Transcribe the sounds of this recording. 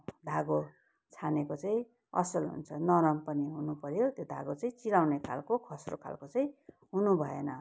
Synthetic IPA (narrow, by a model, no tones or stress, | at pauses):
d̪ʱaɡo | t͡sʰanekot͡saĩ | ʌ̰sʌlɦṵnt͡sʰʌnʌɾʌmpʌniɦunupʌɾjot̪jod̪ʱa̰ɡot͡sʌĩt͡silawnekʰa̰lkokʰʌsrokʰa̰lkot͡sʌĩ | ɦunubʱʌḛnʌ